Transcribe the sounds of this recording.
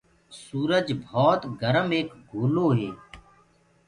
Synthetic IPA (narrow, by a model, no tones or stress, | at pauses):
suːɾəd͡ʒbʱɔːt̪ɡəɾəmeːkɡʱuːloːɦeː